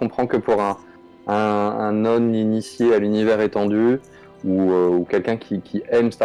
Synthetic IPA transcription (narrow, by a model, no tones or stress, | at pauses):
kɔ̃pχɑ̃kəpuʁɛ̃ | ɛ̃ɛ̰̃nɔminisjealynivɛʁet̪ɑ̃d̪y | uøukʲɛlkʲɛ̃kʲʰikʲʰiɛmsa